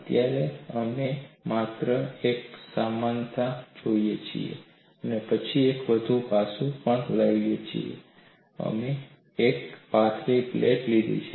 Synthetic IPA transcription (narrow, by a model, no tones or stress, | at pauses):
ət̪jaɾeəmemat̪ɾəeksamant̪ʰad͡ʒoijet͡ʃʰḭḛ | ənepət͡ʃʰiekʋəd̪ʱupasũpəɳləjet͡ʃʰḭḛ | ə̰me | ekpat̪ʰɾipleʈlid̪ʱḭt͡ʃʰe